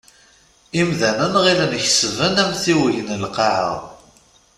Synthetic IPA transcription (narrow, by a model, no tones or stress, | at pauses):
imðænənʁilənçsvənæmθiwəjənəlqɑʕə̰ð